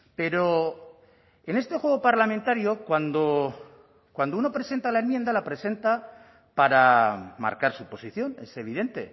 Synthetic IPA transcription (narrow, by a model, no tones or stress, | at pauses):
pe̞ɾo̞ | ene̞st̪e̞xwe̞ɣopaɾlament̪aɾjokwand̪o̞ | kwand̪ouno̞pɾe̞se̞nt̪alae̞mje̞nd̪alapɾe̞se̞nt̪a | paɾama̰ɾkaɾsupo̞siθjo̞ne̞se̞β̞iðe̞nt̪e̞̰